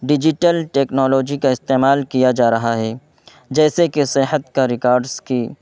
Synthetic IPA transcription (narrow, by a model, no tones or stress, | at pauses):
ɖɪd͡ʒɪʈəlʈeːknɔːlɔːd͡ʒikaɪst̪eːmaːlkijad͡ʒaːɾɐɦaɦɛː | d͡ʒɛːsekesɪɦət̪kaɾɪkaːɾɖzkiː